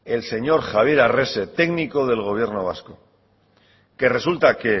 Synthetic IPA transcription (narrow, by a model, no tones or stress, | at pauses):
e̞lse̞ɲo̞ɾxaβ̞je̞ɾare̞se̞t̪e̞ɡniko̞ð̞e̞lɣ̞o̞β̞je̞ɾno̞β̞a̰sko̞ | ke̞re̞sult̪ake̞